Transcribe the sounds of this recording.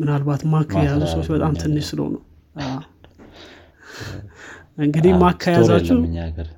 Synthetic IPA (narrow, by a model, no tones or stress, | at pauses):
mɨnalbat̪makʰːajazusəwot͡ʃːbət̪ʼamt̪ʰɨnːɨʃsɨlə̰wnə̰w | ɨŋɡɨd̪imakʰːajazat͡ʃːu